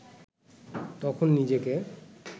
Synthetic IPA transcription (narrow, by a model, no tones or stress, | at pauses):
t̪ɔkʰonːid͡ʑeke